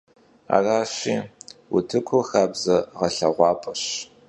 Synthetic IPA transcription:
a̰ːraːɕiːwʊtʰɨkʷʰʊxaːbzɐʁɐɬɐʁʷɑːpʼɐɕ

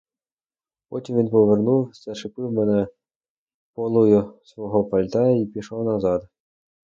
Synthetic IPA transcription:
pɔtʲimʋinpɔʋernuwsɛʃɪpɪwmɛnɛ | pɔlˠʊjʊsʋɔɦɔpɐlʲt̪ɑjɐipʲiʃɔwnɐzɑd̪

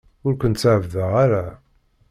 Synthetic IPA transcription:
ʊɾkʷənt̪səʕəvðəʁaɾa

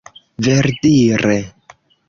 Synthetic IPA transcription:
veɾdiɾe

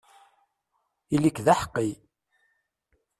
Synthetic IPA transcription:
ilikðaħə̥qːi

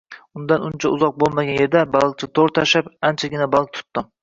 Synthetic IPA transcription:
ʊnd̪anʊnt͡ʃʰaʊzɒq̚bolˠmaɡʲanje̞ɾd̪abalˠɡ̚t͡ʃʰat̪ʰoɾt̪ʰaʃapant͡ʃʰaɡʲɪnabalˠk̚t̪ʰʊ̥t̪ːɪm

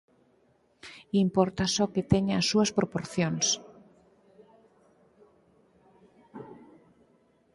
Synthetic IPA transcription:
impoɾt̪asɔket̪eɲasuaspɾopoɾθjons

